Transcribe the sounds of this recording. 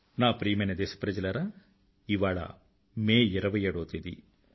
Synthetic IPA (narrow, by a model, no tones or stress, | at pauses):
naːpɾiːmenɐd̪eːsɐ̥pɾɐd͡ʒɐlɐɾɐ | iʋaːɭɐ̰ | meːɛɾɐʋɐjeːɽoːt̪id̪ḭ